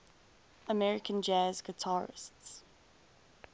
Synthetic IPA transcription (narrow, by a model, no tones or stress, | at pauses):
əmɛɹɪkʰə̃nd͡ʒɛzɡətʰɑːɹɪ̰sts